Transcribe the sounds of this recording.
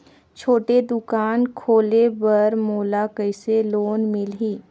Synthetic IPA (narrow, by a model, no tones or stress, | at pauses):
t͡ʃʰoːʈed̪ʊkaːnkʰoːlebɐɾmoːlakəɪseloːnmɪlɦiː